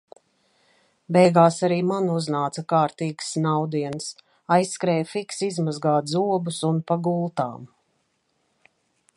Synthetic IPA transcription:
bɛjɡaːsaɾiːmanuznaːt̪sɐkaːɾt̪iːɡsnawd̪iɛns | ajsːkɾɛːjfiksizmazɡaːt̪zuɔbusunpaɡulˠt̪a̰ːm

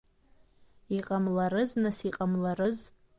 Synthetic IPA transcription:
iqʼamlaɾɨznasiqʼamlarɨz

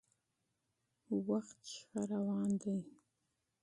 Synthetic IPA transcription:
waxt̪ʃxaɾawɑːnd̪aj

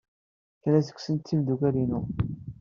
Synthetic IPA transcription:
klæsə̥kʷsənt̪ːimd̪ukæɾinu

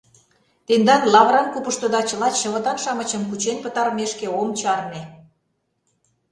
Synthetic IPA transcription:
t̪end̪ɑnlɑβɾɑnkupəʃt̪ŏd̪ɑt͡ɕə̆lɑɕə̆βɤ̆t̪ɑnʃɑmə̆t͡ɕə̆mkut͡ɕenʲpə̆t̪ɑɾmeʃkeomt͡ɕɑrne

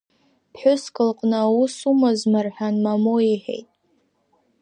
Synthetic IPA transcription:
pħʷᶣʊskʼɨlqʼnɨawusumazmarħᶣanmamoiħe̞̰jtʼ

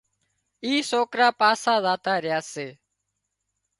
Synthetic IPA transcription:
iːsoːkɾaːpaːsaːzaːt̪aːɾɪjaːseː

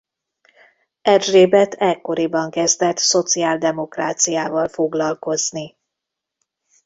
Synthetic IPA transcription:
ɛrʒreːbɛt̪ʰɛkːo̞ɾibɒŋkɛzd̪ɛt̪so̞t̪siaːld̪ɛmo̞kraːt̪sijaːvɒlfo̞ɡlɒlko̞zni

